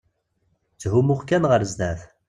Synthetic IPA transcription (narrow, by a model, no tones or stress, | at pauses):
t͡sːɦumʊʁkːænʁəɾzd̪æθ